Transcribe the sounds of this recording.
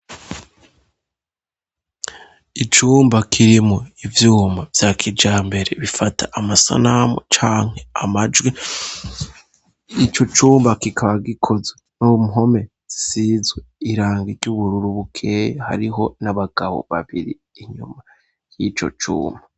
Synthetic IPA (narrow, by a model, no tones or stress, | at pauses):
it͡ʃuːmbakʰiɾimoivjuːmbavjaːkʰid͡ʒaːmbe̞ɾe̞βifatʰaʔamasa̰namo̰t͡ʃaːŋ̥he̞amad͡ʒwe | it͡ʃo̞t͡ʃuːmbakikʰaβaɡikʰo̞zenumɦo̞me̞ | isizweiɾaːŋɡiɾɟuβuɾuɾuβukʰe̞jeha̰ɾiɦo̞naβaɡ̥aβo̞̰βa̰βiɾḭ | iɲuma | jit͡ʃo̞̰t͡ʃṵːmba